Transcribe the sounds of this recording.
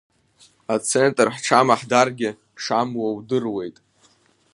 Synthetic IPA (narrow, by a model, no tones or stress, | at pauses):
at͡sʰentʼrħʈ͡ʂʰamaħdarɡʲɪ | ʂamwawdɨrwe̞jtʼ